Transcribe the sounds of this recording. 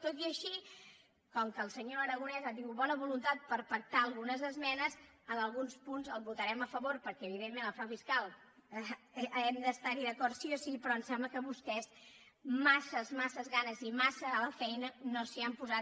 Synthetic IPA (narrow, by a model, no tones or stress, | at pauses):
t̪ot̪iəʃi | kɔŋkəːlˠsəɲoəɾəɣunɛzəd̪iwβɔnəβulunt̪at̪̚pəɾpək̚t̪aəːlˠɣunəzəzmɛnəz | ənəlˠɣunspunzəlˠβut̪əɾɛməfəβoɾpəɾkɛəβ̞iðemːenləfɾawfiskalˠ | ɛmd̪əst̪aɾiðəkɔɾt̪siosipɾɔənsɛmbləkəβust̪ɛz | masəzmasəzɣanəzimasəːləfɛjnənosiampuza